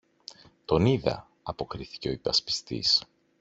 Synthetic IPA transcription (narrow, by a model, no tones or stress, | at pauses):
t̪o̞niðɐ̰ | ɐpo̞kɾiθi̥ce̞o̞ipɐspi̥st̪ḭs